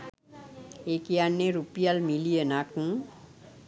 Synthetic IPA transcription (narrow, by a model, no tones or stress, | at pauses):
ekijanːeɾupijalmilijenakũ